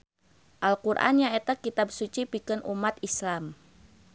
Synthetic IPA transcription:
ʔalkurʔa̰njaet̪akit̪absut͡ʃipikənʔumat̪islam

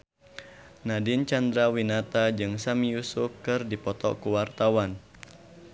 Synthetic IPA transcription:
nadɪnt͡ʃand̪ɾawinat̪ad͡ʒɨŋsamijusʊfkɨrdipɔt̪ɔ̰kuwart̪awan

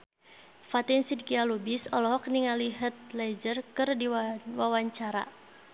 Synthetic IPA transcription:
fat̪insidkialubisɔlɔɦɔkniŋaliɦət̪̚lɛd͡ʒərkɨrdiwawaɲt͡ʃaɾa̰

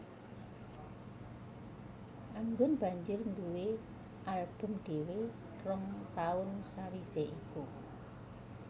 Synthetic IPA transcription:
ʔaŋɡʊnb̥a̤ɲd͡ʒʊrnd̪uwe | ʔalb̥ə̤mɖ̪̥e̤we | rɔŋt̪aʊnsaɾiseʔiku

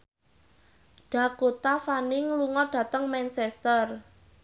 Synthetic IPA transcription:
ɖ̥a̤kot̪afanɪŋluŋɔɖ̥ä̤t̪əŋmɛnsɛst̪ər

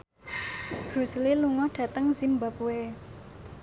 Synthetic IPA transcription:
b̥ɾusəliluŋɔhɖ̥ä̤t̪əŋzimbapue

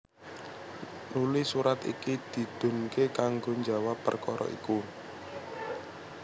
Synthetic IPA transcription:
nulisuɾat̪ḭkid̪̥i̤d̪̥o̤nkekaŋɡoɲd͡ʒa̤wapə̰rkɔɾɔ̰ʔḭku

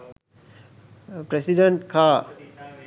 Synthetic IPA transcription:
pɾesiɖeɳʈkʰaː

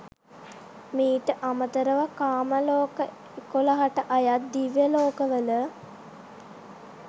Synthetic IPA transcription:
miːʈəʔamət̪əɾəʋakaːməloːkə | koləɦaʈəʔajat̪̚d̪iʋjəloːkəʋələ

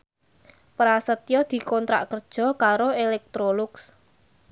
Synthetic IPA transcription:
pɾasət̪jɔd̪̥i̤kɔnt̪ɾa̰ʔkərd̥ʒ̥ɔ̤kaɾoelɛk̚t̪ɾolʊks

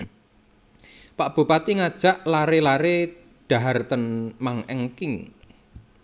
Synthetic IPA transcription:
paʔb̥upat̪iŋad̥ʒ̥a̤ʔlaɾelaɾe | ɖ̥a̤ɦart̪ənmaŋɛŋkɪŋ

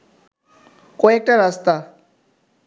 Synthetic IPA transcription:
koek̚ʈaɾast̪a

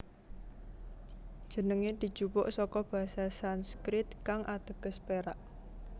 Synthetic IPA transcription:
d̥ʒ̥ə̤nəŋed̪̥i̤̥ʒ̥upʊ̰ʔsɔkɔb̥a̤ɦasasanskɾɪt̪̚kaŋʔat̪əɡ̥ə̤speɾaʔ

